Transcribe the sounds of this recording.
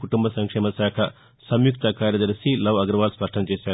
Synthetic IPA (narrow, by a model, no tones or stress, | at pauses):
kuʈumbʱɐsɐŋkʂɛːmɐsaːkʰɐ | sɐmjukt̪ɐkaːɾjɐd̪ɐɾɐsilɐʋɐɡɾɐʋaːlspɐʂʈʰɐnt͡ʃeːsaː